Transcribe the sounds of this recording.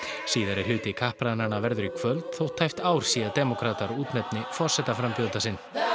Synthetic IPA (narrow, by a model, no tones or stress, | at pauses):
siːðaɾɛɾ̥hʏːt̪ɪkʰahpɾananavɛɾðʏɾikʰv̥œlt̪θowht̪ʰːajft̪aːwɾ̥siːat̪ɛmɔkʰɾaːt̪aɾuːt̪nɛpnɪfɔrsɛt̪afɾampjowlt̪asɪnː